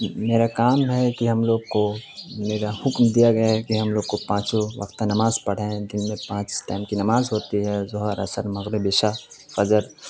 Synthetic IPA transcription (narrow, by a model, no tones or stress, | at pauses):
meːɾakaːmɦɛkiɦɐmloːɡ̚komeːɾahʊkmd̪ijaɡɐjaɦɛkiɦɐmloːɡ̚kopãːt͡ʃoʋɐ̰qt̪enɐmaːzpɐɽ̤ẽd̪ɪnmẽpãːt͡ʃʈaːɪmkinɐmaːzɦoːt̪iɦɛzʊɦəɾɐ̰səɾmɐɣɾɪbɪʃafɐzəɾ